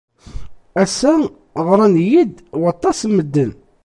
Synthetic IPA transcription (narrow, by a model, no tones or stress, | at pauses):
æsæ | ʁɾˤɑnjid̪wɑt̪ˤːɑsmːəd̪ːən